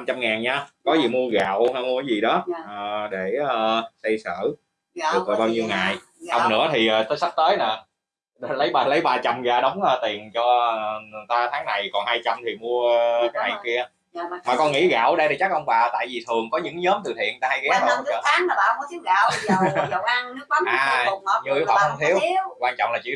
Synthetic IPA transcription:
na˧mt͡ɕa˧mŋaː˨˩nɲaː˧kɔ˨˦zi˨˩mu˧əɣa̰ː˧˨wha˧mː˧˨˦jzi˨˩ɗɔ˨˦ʔəː˨˩ɗe˧˩əː˨˧˩sɛ˧jsə̰ː˧˨ | ɨ˨˩əː˨˩ɓaː˧wɲi˧wŋa̰ː˧˨j | hə˨˩ŋ͡mnɨ̰˧˥ət̪ʰi˨˩ʔəː˨˩t̪ə˨˦jsa˦˥k̚t̪əː˨˦jna˨˩ | ɗlə˨˦jɓaː˨˩lə˨˦jɓaː˨˩t͡ɕa˨˩mɣaː˨˧˩ɗə˨˦wŋ͡mʔəː˧t̪i˨˩ənt͡ɕɔ˧ə˨˩nɨ˨˩t̪aː˧t̪ʰaː˨˦ŋna˨˩jkɔ˨˩nhaː˧jt͡ɕa˧mt̪ʰi˨˩mu˧əka˨˦jna̰˨jki˧ə˧ | maː˨˩kɔ˧nŋḭ˧˥ɣa̰ː˧˩wɗə˧jt̪ʰi˨˩t͡ɕa˦˥k̚ʔə˧wŋ͡mɓaː˨˩t̪a̰ː˧˨jvi˨˩t̪ʰɨ˨˩əŋkɔ˨˦ɲɨ̰˧˥ŋɲəː˨˦mt̪ɨ˨˩t̪ʰḭ˧˨ənŋ˩t̪aː˧ha˧jɣɛ˨˦ɗə˧˦t͡ɕəː˧˦aː˨˦ŋa˨˩ɓaː˨˩kɔ˨˦t̪ʰi˨˦wɣaː˧˩wa˧ŋnɨ˦˥k̚a˨˦ʔaː˨˩˨ɲɨ˧˦ɓaː˨˩xŋ͡mt̪ʰi˨˦əwkwaː˧nt͡ɕɔ̰˧˨wŋ͡mlaː˨˩t͡ɕḭ˧˥

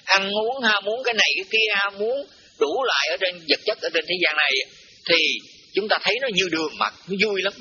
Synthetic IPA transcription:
ʔa˧nʔu˨˦ənhaː˧mu˨˦ənkaː˨˦jna˨˩jkaː˨˦jki˧əhaː˧mu˨˦ən | ɗu˧˩lwa̰ː˧˨jʔəː˧˩˦t͡ɕe˧nzə˨˩t̚t͡ɕə˦˥t̚ʔəː˧˩˦t͡ɕe˧nt̪ʰe˨˦zaː˧nːa˨˩j | t̪ʰi˨˩ | t͡ɕʊ˨˦ŋ͡mt̪aː˧t̪ʰə˨˦jnɔ˨˦ɲɨ˧ɗɨ˨˩əŋma̰˨˩t̚nɔ˨˦zu˧jla˨˦m

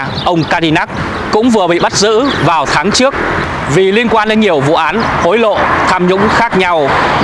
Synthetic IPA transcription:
ʔə˧wŋ͡mkaː˧ɗi˧na˦˥k̚ | kʊ̰˧˥ŋ͡mvɨ˨˩əɓḭ˧˨ɓa˦˥t̚zɨ̰˧˥vaː˨˩wt̪ʰaː˨˦ŋt͡ɕɨ˦˥ək̚ | vi˨˩li˧ənkwaː˧nɗe˨˦nɲi˨˩əwvṵ˧˨ʔaː˨˦nxo˨˦jlo̰˧˨t̪ʰaː˧mɲʊ̰˧˥ŋ͡mxaː˦˥k̚ɲa˧w

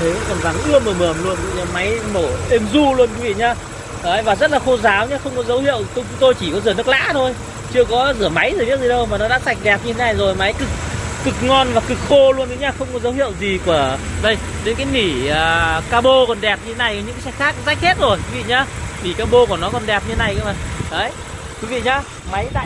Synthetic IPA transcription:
t̪ʰə˨˦jkŋ͡mkɔ˨˩nza˨˩ŋʔɨ˧˥əməː˧˩məː˨˧˩mlu˧ənkḭ˧˨ɲaː˧ma˨˦jno˧˩ʔe˧mzu˧lu˧ənku˨˦vḭ˧˨ɲaː˧ | ʔəː˨˧˦jvaː˨˩zə˦˥t̚laː˨˩xo˧zaː˨˦wɲaː˧xə˧wŋ͡mkɔ˨˦zə˨˦whḭ˧˨əwt̪o˧t͡ɕʊ˨˦ŋ͡mt̪o˧jt͡ɕi˧˩kɔ˨˦zɨ˧˩nɨ˦˥k̚la̰ː˧˥t̪ʰo˧j | t͡ɕɨ˧əkɔ˨˦zɨ˧˩əma˨˦jzɨː˨˩ni˦˥k̚zi˨˩ɗə˧wmaː˨˩nɔ˨˦ɗa̰ː˧˥sa˨˩k̟̚ɗɛ˨˩p̚ɲɨ˧t̪ʰe˨˦na˨˩jzo˨˩jma˨˦jkɨ˨˩k̚ːɨ˨˩k̚ŋɔ˧nvaː˨˩kɨ˨˩k̚xo˧lu˧ənt̪ʰɲaː˧xə˧wŋ͡mkɔ˨˦zə˨˦whḭ˧˨ə˨wzi˨˩ku˧˩əɗə˧jɗe˨˦nkaː˨˦jni˧˩əː˨˩kaː˧ɓo˧kɔ˨˩nɗɛ˨˩p̚ɲɨ˧e˨˦na˨˩jkɔ˨˩ɲɨ̰˧˥kaː˨˦sɛ˧˥xaː˦˥k̚za˦˥k̟̚he˦˥t̚zo˨˩jkwi˨˦vḭ˧˨ɲaː˧ni˧˩kaː˧ɓo˧ku˧˩ənɔ˨˦kɔ˨˩nɗɛ˨˩p̚ɲɨ˧e˦na˨˩jka̰˨˧˦ma˨˩ʔəː˨˦j | kwi˨˦vḭ˧˨ɲaː˧ | ma˨˦jɗa̰ː˧˨

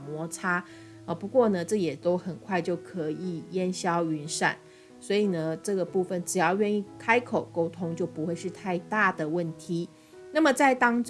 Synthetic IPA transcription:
mwɔ˧˥ʈ͡ʂʰa˥ | ə˩pu˧˦kwɔ˥˩nə˨ʈ͡ʂɤ˥˩jɛ˨˩t̪o˥ʊxə˨˩nkʰwa˥˧ɪt͡ɕjo˥˩ʊkʰɤ˧˦i˨˩jɛ˥nɕjɑ˥ʊy˧˥nʂa̰˨˩˦n | swɔ˧˥i˨˩nə˦ʈ͡ʂɤ˥˩ɡə˩pu˥˩fə˨˩nʈ͡ʂɻ̩˨˩jɑ˥˧ʊɥɛ˥˧ny˥˩kʰa˥ɪkʰo˨˩ʊko˥ʊt̪ʰʊ˥ŋt͡ɕjo˥˩ʊpu˧˦xwe˥˧ɪʂɻ̩˥˧t̪ʰa˥˧ɪt̪a˥˩d̪ə˩wə˥˩nt̪ʰi˧˥ | na˥˩mə˩t͡sa˥˩ɪt̪ɑ˥ŋʈ͡ʂ

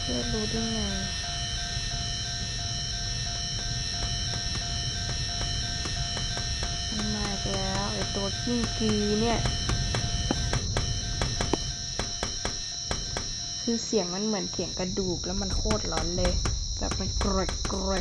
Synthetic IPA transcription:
pʰeː˧˥˩t̪̚loː˧di˧˩ŋa˧˩˧ | ma˧maː˧˨jk̪ɛ˧lɛː˧˥ʔa˨˩t̪u˧ɐki˧˥˩ŋkiː˧ni˧˥˩ɐ | kʰɯː˧si˨˦ŋma˧˥˨nmɯ˩˦ənsʰi˨˩˦əŋka˧˩duː˨˩k̚lɛː˧˥˨ma˧˥˨nkʰoː˧˥˩t̪̚lɔː˨˦nlɤ˧ | ka̰˧˦pma˧˩nklɔ˧kɾɔ˧

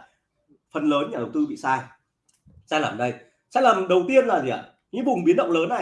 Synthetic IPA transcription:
fə˨˩nləː˨˦nɲaː˨˩ɗə˨˩wt̪ɨ˧ɓḭ˧˨saː˧j | saː˧laː˧˨˩mɗə˧j | sa̰ː˧jlaː˨˩mɗə˨˩wt̪i˧ənlaː˨˩zi˨a˨˩ | ɲɨ̰˧˥vʊ˨˩ŋ͡mɓi˨˦ənɗə̰˧˨wŋ͡mləː˨˦nːa˨˩

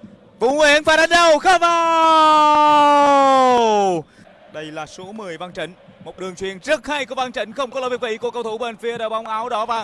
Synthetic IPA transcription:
vʊ̰˧˦wi˧˦ənfaː˨˦jɗa˨˦nɗə˧˩wxəː˧˦vaː˨˧ | ɗə˧jlaː˨˩so˨˦mɨ˨˩əjva˧nt͡ɕï˧˩˦ŋ̟ | mo˨˩t̚ɗɨ˨˩əŋt͡ɕwḭ˨ənt͡ɕɨ˦˥ək̚haː˧jku˧əva˧nt͡ɕï˨˦ŋ̟xə˧wŋ͡mkɔ˦lːvk̚vḭ˧˩˦ku˧˩əkə˧wt̪ʰu˧˩˦ɓe˧˩nfi˧əɗəː˧˦˩ɓa˨˦wŋ͡mʔaː˨˦wɗɔ˨˦vaː˨˧˩

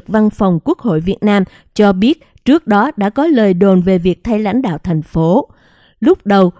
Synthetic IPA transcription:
k̚va˧nfa˨˩wŋ͡mku˦˥ək̚ho̰˧˨jvi˨˩ət̚naː˧m | t͡ɕɔ˧ɓi˦˥ət̚ | t͡ɕɨ˦˥ək̚ɗɔ˨˦ɗa̰ː˧˥kɔ˨˦ləː˨˩jɗo˨˩nve˨˩vi˨˩ək̚t̪ʰa˧jla̰˧˥jŋ̟ɗa̰ː˧˨wt̪ʰɛ˨˩jŋ̟fo˨˦ | lʊ˦˥k͡p̚ɗə˨˩w

